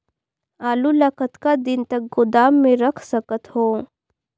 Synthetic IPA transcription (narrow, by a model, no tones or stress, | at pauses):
aːlulakət̪kad̪ɪnt̪ɐk̚ɡʊd̪aːmːẽɾɐkʰsɐkət̪hoː